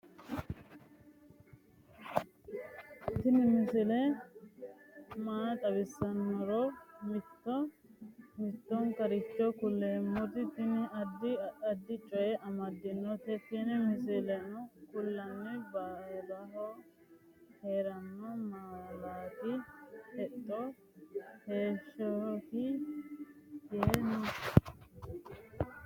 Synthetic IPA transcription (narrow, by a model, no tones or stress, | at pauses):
t̪ɪnɪmɪsɪlɛ | maːt̪ʼɐbɪsːɐnːɔɾɔmɪt̪ːɔ | mɪt̪ːɔŋkɐɾɪt͡ʃːɔkʊlːeːmːʊt̪ɪt̪ɪnɪɐd̪ːɪɐd̪ːɪt͡ʃʼɔjɛʔɐmɐd̪ɪnːɔt̪ɛt̪ɪnɪmɪsɪlɐnɔkʊlːɐnːɪbaːlɐɦɔ | heːɾɐnːɔmaːlaːt̪ɪhɛt̪ʼːɔ | he̞ːʃɔhɪ | jenʊ